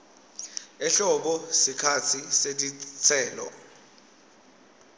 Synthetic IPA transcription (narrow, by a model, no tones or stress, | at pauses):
ɛɬɔɓɔsikʰat͡sʰisetit͡sʰɛːlɔ̰